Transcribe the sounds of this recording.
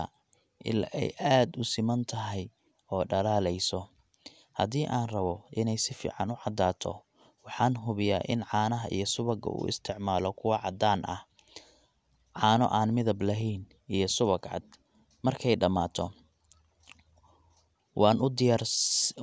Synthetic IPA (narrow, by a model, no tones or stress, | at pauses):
ɐ̰ | ʔɪ̰lɛ̰jʔaːd̪ʊsɪmɐnt̪ʰɐɦɛj | ɔːɖɐlaːlɛjsɔ | hɐðiːʔaːnrɐβɔʔɪnɛjsɪfḭːʕɑnʊʕɑd̪aːt̪ʰɔ̰ | wɑħɑːnɦʊβɪjaːʔɪ̰nʕɑːnɐɦɐʔḭjɞsʊβɐɡɐ̰ṵːʔɪ̰st̪ʰɪʕmaːlɔkʰʊwɑʕɑd̪aːnʔɐ̰h | ʕɑːnɔ̰ʔaːnmɪðɐblɐɦiːn | ijɞsʊβɐɡʕɑ̰d̪ | mɐrkʰɛjɖɐmaːt̪ʰɔ | wʔɑːnʔʊd̪ɪjaːr